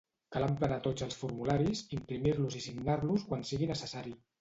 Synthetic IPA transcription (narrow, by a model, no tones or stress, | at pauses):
kalamplənat̪od͡zəlˠsfuɾmulaɾisimpɾimiɾluzisiɡnaɾluskwansiɣinəsəsaɾi